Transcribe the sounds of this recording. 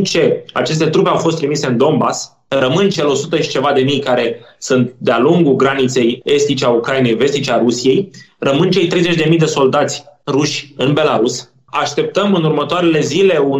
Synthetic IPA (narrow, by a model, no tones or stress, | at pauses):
t͡ʃe̞a̰t͡ʃe̞s̬t̪e̞t̪ɾupe̞awfo̞st̪ːɾimise̞ɨnd̪o̞mbas | rəmɨnt͡ʃe̞lo̞sut̪əʃi̥t͡ʃe̞vad̪e̞mijkaɾe̞ | sɨnt̪d̪ealuŋɡuɡɾanit̪se̞je̞st̪it͡ʃeaukɾaine̞jve̞st̪it͡ʃeaɾusije̞jrəmɨnt͡ʃe̞jt̪ɾe̞jze̞t͡ʃʲd̪emijd̪e̞so̞ld̪at̪sʲruʃʲɨnbe̞laɾus | aʃt̪e̞p̚t̪əmɨnurmət̪oaɾe̞le̞zile̞u